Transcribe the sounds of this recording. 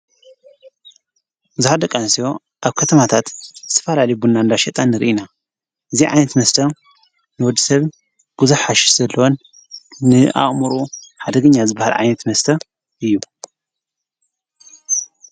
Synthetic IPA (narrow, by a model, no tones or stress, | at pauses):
bɨzuħad̪ɐkʼansijo̞ | ʔaβkʰɐt̪ʰɐmat̪ʰat̪zɨ̥t̪ʰɐ̥fɐlalɐjbunːand̪aʃɛt̪ʼanːɨɾɨ̰ʔina | ʔɨziʕa̰jnɐt̪mɐst̪ʰɐ | nɨwɔd̪ːisɐβ | b̥uzɨħaʃi̥z̥ɐlːɐwonː | ɨʔa̰χʼmɨɾuħad̪ɐɡɨɲːazɨbːaha̰lʕa̰jnɐt̪mɐst̪ʰɐ | ʔɨjːu